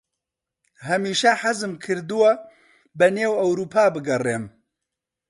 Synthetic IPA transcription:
hɐmiːʃɐħɐzɨmkʰɨɾd̪ɨwɐ | bɛneːwɐwɾuːpʰaːbɨɡɐreːm

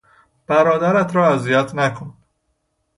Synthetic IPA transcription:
b̥æɾɒːd̪æɾæt̪ʰɾɒːæzijæt̪ʰnækʰon

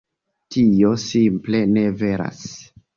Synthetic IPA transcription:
tio̞simple̞ne̞ve̞ɾa̰s

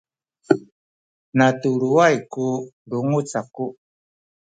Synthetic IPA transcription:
natuɾuajku | ɾuŋut͡saku

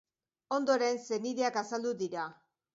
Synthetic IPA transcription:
o̞nd̪o̞ɾe̞nse̞niðeakasald̪uðiɾa

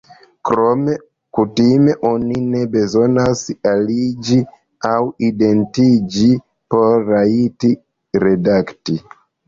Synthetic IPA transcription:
kɾo̞me̞ | kutime̞ʔo̞nine̞be̞zo̞nasalid͡ʒi | awide̞ntid͡ʒi | po̞ɾːaiti | ɾe̞dakti

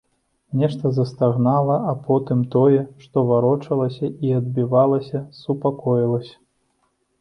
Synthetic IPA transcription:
nʲɛʂt̪ɐzɐst̪aɣnalˠɐʔapʰɔt̪ɨmt̪ɔjɛʂt̪ɔvaɾɔt͡ʂɐlˠɐsʲɐʔiɐd̪̚bʲivalˠɐsʲɐsupakɔjilˠɐsʲɐ̥

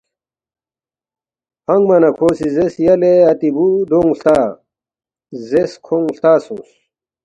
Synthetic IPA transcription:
hɐŋɡmɐnɐkʰoːsizesjɐleɐt̪ibud̪oŋst̪aː | zeskʰoŋst̪aːsũs

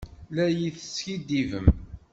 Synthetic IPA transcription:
læjiθəsçid̪ivəm

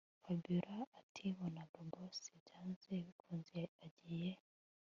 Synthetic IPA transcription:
fabiɾaːtʰiβonadobosiɟaːnzeβikuːnziaɟije

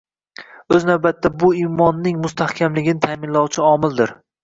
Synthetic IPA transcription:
ɵznawbat̪ːabʊimɒnːɪŋmʊst̪ʰahkʲʰamlɪɡʲɪnɪt̪ʰaːmɪnlɒwt͡ʃʰɪɒmɪld̪ɪɾ

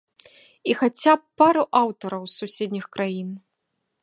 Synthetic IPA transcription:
ixat͡sʲap̚ːaɾuʔawt̪ɐɾɐwsusʲed̪ʲnʲixkɾʔajin

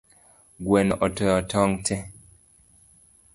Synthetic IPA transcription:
ɡwɛnɔʔɔtɔjɔtʰɔŋtʰɛ

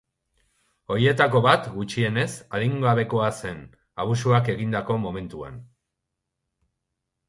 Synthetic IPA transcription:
o̞ɾie̞t̪ako̞βat̪ɡut͡ʃie̞ne̞saðiŋɡaβ̞e̞ko̞ase̞n | aβusuake̞ɣind̪ako̞mo̞me̞nt̪ua̰n

